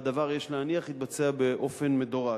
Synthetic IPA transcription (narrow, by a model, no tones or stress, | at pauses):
d̪avaʁjeʃleaniaχit̪̚bat͡seabe̞ʔo̞fe̞nmed̪oʁa